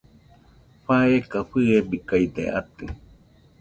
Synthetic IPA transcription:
ɸaekaɸɨebikaid̪ḛa̰t̪ɯ

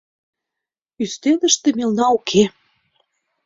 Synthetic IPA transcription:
yst̪eləʃt̪ĕmelnɑukʰe

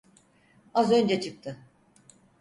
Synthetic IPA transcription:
azø̞nd͡ʒɛt͡ʃʰɯk̚t̪ʰɯ

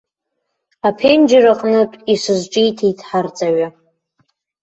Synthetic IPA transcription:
apʰend͡ʒɪraqʼnɨtʼisɨzʈ͡ʂʼijtʰijtʰʼħart͡sʼaɥa

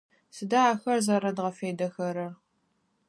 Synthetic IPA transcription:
sɨdaaxɐrzɐɾɐdʁɐfeːdɐxɐɾɐr

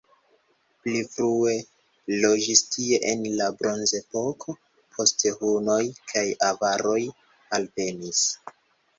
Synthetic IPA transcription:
plifɾue̞ | lo̞d͡ʒistʰie̞ʔenlabɾo̞nze̞po̞kʰo̞ | pʰo̞stehuno̞jkʰajavaɾo̞j | alve̞nis

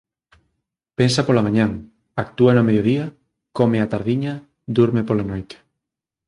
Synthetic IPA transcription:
pensapolamãɲãŋ | ak̚t̪uanʊameðjoðiɐ | komeat̪aɾðiɲɐ | d̪uɾmepolanojt̪e̥

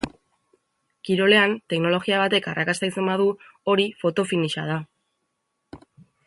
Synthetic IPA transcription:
kiɾo̞le̞ant̪e̞kno̞lo̞ɣiaβ̞at̪e̞karakast̪ajt͡se̞mbað̞u | o̞ɾifo̞t̪o̞finiʃa̰ð̞a

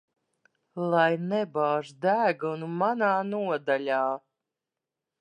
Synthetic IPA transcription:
lˠajnɛbaːʒd̪æːɡunumanaːnuɔd̪alʲaː

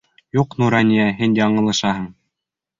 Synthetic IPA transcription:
juqnuɾɑnʲijæɦɘnjɑɴɤ̆lˠɤ̆ʃɑɦɤ̆ɴ

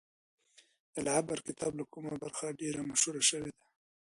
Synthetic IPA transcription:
d̪̥əlaʕabaɾkɪt̪ʰɑblakumabaɾxaɖeɾamaʃhuɾaʃəwed̪a

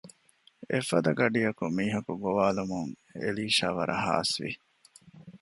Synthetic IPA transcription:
efɐd̪ɐɡɐɖijɐkumiːɦɐkuɡoʋaːlumuŋ | ḛliːʃaːʋɐ̰ɾʔɐɦa̰ːsʋḭ

